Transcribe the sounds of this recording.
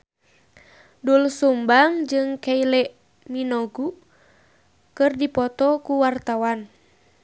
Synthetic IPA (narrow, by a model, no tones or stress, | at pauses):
dulsumbaŋd͡ʒɨŋkailɛʔ | minoɡu | kɨrdipɔt̪ɔkuwart̪awan